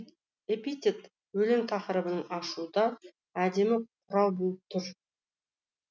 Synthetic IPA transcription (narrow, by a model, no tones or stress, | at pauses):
epit̪ʲit̪ | wɵleŋt̪ʰɑqəɾəbənəɴɑʃud̪ɑ | æd̪e̞mɪqʰʊɾɑlˠbɵləp̚t̪ʰʏɾ